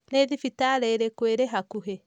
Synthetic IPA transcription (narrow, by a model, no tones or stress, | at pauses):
neðifitaɾeɾekweɾeɦakuɦe